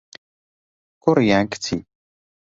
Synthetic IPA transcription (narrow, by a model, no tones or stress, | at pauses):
kʊɾjaŋkt͡sʰḭ